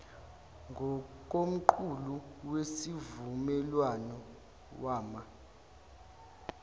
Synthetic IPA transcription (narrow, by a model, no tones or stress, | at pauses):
ŋɡʱɔk̬ʼom̩ǃʰuluwesivumɛlwanɔ | waːma